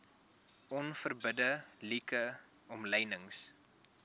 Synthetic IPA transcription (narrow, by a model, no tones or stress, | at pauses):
ʔɔnfərbədəlikə | ɔmlɛjnəŋs